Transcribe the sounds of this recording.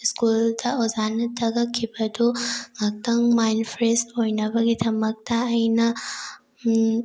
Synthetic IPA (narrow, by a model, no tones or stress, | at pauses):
ɪskuld̪ɐʔɔzanɐt̪ʰɐɡɐkʰːibɐd̪uŋɐk̚t̪ɐŋmajnfɾesɔjnɐbɐɡɪt̪ʰɐmːɐɡ̚t̪aɐjnɐ